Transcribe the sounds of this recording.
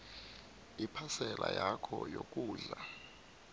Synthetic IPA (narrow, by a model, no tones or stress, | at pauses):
ipʰasɛlʔajakʰɔjokʼuːɮa